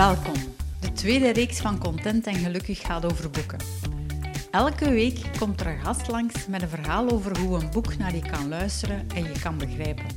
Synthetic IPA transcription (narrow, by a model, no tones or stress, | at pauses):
ɛlˠkɔmdətʋeːdəreːksfɑnkɔntɛntɛnɣəlɵkəxːaːtoːvərbukə̰n | ɛlˠkəʋeːkːɔmtərɣɑstlɑŋsmɛtənvərɦaːlˠoːvərɦuənbuknaːrjəkɑnlœɥstəɾənɛnjəkɑnbəɣrɛːpən